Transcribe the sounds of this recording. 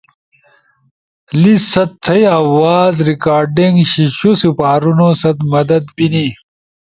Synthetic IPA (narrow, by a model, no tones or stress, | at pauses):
lisɐt̪ʰːɐjawaːzɾikaːɾɖiŋɡɕiɕusipaːɾunosɐt̪mɐd̪ɐd̪pini